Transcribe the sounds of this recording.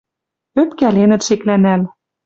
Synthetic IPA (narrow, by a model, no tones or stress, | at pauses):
øpkælenɘ̆t̪ʃeklænæl